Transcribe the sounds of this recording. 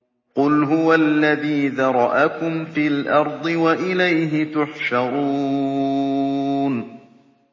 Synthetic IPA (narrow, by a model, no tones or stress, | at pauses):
qʊlɦʊwalːaðiːðɑɾˤɑʔakʊmfiːlʔɑɾˤd̪ˤɨwaʔɪlajɦɪt̪ʊħʃɑɾˤuː | n